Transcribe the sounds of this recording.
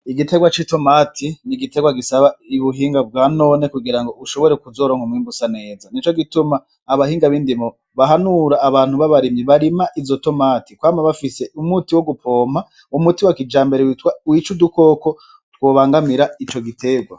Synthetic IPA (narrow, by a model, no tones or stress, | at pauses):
iɡite̞ɡwat͡ʃito̞matʰiniɡite̞ɡwaɡisaβaiβuɦiːŋɡab̚ɡaːno̞ne̞kuɡiɾaŋɡo̞uʃo̞βo̞ɾe̞kuzo̞ːɾo̞ːŋhumŋiːmbusane̞ːzanit͡ʃo̞ɡitumaː | βahiːŋɡaβiːndimo | βaɦanuɾaːβaːn̥huβaβaɾimjiβaɾimaʔizoto̞matikwaːmaβafise̞umutiwo̞ɡupʰo̞ːma | umutiwakid͡ʒaːmbe̞ɾewtwawit͡ʃuduko̞ːko̞ | t̚woːβaːŋɡamiɾait͡ʃo̞ɡitʰe̞ɡwa